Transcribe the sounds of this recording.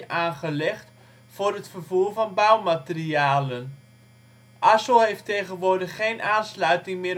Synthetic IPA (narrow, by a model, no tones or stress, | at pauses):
ʔaːnχəlɛχt | fʊrətfərvuːrvɔnbœwmatəriaːlən | ʔasoheːfteːɣənʋʊdəχːeːnʔaːnslœɥtɪŋmɪː